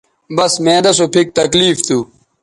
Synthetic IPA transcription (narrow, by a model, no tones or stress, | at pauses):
bɐsmẽːd̪ɐsopʰik̚t̪ɐkliːft̪uː